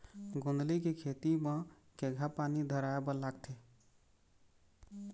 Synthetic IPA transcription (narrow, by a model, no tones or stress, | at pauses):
ɡond̪likekʰet̪imə̃ | keɡʱapanid̪ʱəɾaebəlaɡt̪ʰe